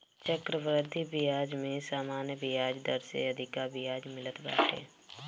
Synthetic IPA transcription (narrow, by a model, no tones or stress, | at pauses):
t͡ʃəkɾəʋɾəd̪ʱibijaːd͡ʒmẽsaːmaːnjəbijaːd͡ʒd̪əɾsḛəd̪ʱɪkabijaːd͡ʒmɪlət̪ba̰ːʈʰḛː